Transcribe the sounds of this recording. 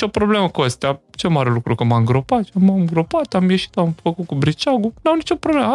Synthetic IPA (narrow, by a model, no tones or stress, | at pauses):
t͡ʃo̞pɾo̞ble̞məkuəst̪eat͡ʃe̞maɾe̞lukɾukəmaɨŋɡɾo̞pat̪ʃamaɨŋɡɾo̞pat̪amje̞ʃi̥t̪amfəkut̪̚kubɾit͡ʃaɡunawnit͡ʃo̞pɾoblemə